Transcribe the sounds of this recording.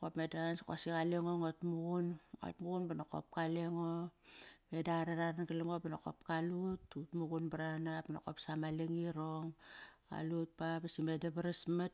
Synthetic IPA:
kopmedansko̰sikaleŋoŋotmuɡuno̰tmuɡunbanako̰p̚kaleŋo | me̞daɾeɾaɾanɡaleŋobenoko̞̰pkalututmuɡunbaɾanapanokopsamaleŋiɾoŋka̰lut̚pabesimedebeɾesmat̚

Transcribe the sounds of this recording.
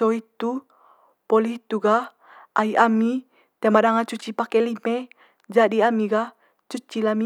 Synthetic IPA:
oit̪u | poliit̪uɡah | ʔaiʔami | t̪amadaŋat͡ʃut͡ʃipakɛlime | d͡ʒadiamiɡah | t͡ʃut͡ʃilami

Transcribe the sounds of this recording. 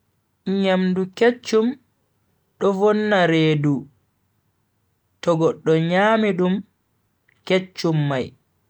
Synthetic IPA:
ɲamduket͡ʃːum | ɗɔvɔnːaɾeːdu | tɔɡɔɗːɔɲaːmiɗum | ket͡ʃːumːaj

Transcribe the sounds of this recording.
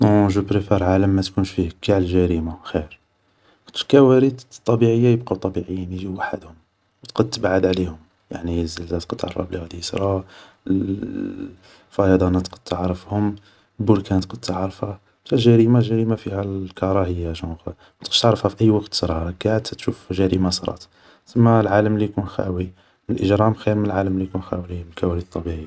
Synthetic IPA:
toʒubɾefæɾˤʕaləmːæt̪kunʃfihɡaʕllʒæɾimaxiɾ | t̪əlkæwæɾid̪t̪ˤːɑbiʕəjːajəbqɑt̪ˤːɑbiʕəjːəniʒiwaħə̰d̪hʊm | wt̪qəd̪̚t̪ːəbʕəd̪ʕlihʊm | ja̰ʕnizəlzæt̪qəd̪̚t̪ʕɑ̰ɾˤɑ̰blihæd̪isɾˤɑ | fɑjɑd̪ˤɑnɑt̪qəd̪̚t̪əʕɾˤəfhʊm | lbʊɾkænt̪qəd̪̚t̪əʕɾəfhæ | mt̪æʒæɾimaʒæɾimafihælkɑɾˤɑhəjːaʒɑx | mæt̪qə̥ʃt̪əʕɾəfhæfiʔəjːwɑqt̪sɾˤɑɡaʕəd̪t̪æt̪ʃufʒæɾimasˤɾˤɑ̰t̪ | t̪əmːalʕaləmlijkunxæ̰wi | mnəlʔəʒɾˤɑmxæɾməlʕaləmlijkunxæwiliməlkæwælit̪ˤːɑbiʕi

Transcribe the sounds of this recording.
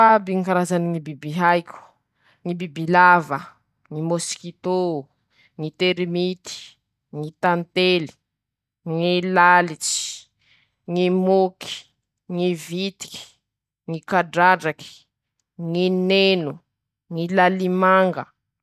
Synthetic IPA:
fabiŋkaɾazaniŋibibiɦajkʲu̥ | ŋibibilavə | ŋimoskit̪o | ŋit̪eɾmit̪i̥ | ŋit̪ant̪eli̥ | ŋilalit͡si̥ | ŋimoki̥ | ŋivit̪i̥ki̥ | ŋikaɖ͡ʐaɖ͡ʐaki̥ | ŋinenu | ŋilalimaŋɡə

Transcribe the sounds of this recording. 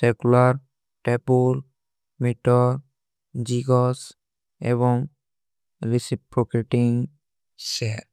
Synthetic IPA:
sekulaɾ | ʈepul | miʈɔɾ | d͡ʒiɡɔs | ebɔŋ | ɾisipɾɔkeʈiŋ | seɾ

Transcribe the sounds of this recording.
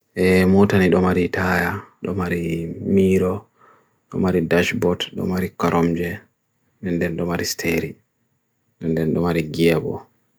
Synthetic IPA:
ʔɛmɔtaniɗɔmaɾitʰajaɗɔmaɾimiːɾɔ | ɗɔmaɾidaʃbɔtɗɔ̰maɾikɔɾɔmd͡ʒɛ | ɗɛndɛnɗɔmaɾistʰeɾi | ɗɛndɛnɗɔmaɾiɡɛbɔ̰

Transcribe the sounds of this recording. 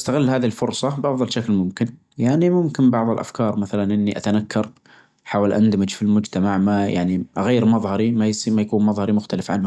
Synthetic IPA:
ʔast̪aɣɪlːhaːðiɪlfʊɾsˤɑbɑʕðˤɨlʃaklmʊmkɪn | jaʕnimʊmkɪnbɑʕðˤɪlʔa̰fkɑːɾˤmaθalanʔɪnːiʔat̪anakːɑɾˤ | ħaːwalʔa̰nd̪amɪd͡ʒfilmʊd͡ʒt̪amaʕmaja̰ʕniʔaɣajːɾmɑðˤhɑɾimajsimajakuːnmɑðˤhɑɾimʊxt̪alɪfʕa̰nhʊ

